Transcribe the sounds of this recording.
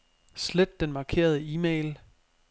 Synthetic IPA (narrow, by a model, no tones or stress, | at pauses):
sled̥ːenmɑ̈ːkʰe̝̰ːɐð̞ˠəiːmeɪl